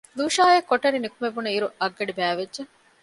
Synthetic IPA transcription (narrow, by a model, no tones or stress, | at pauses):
luːʃaːjɐkːoʈːɐɾinikumebunɐiɾuʔɐɡːɐɖibæːʋedʒe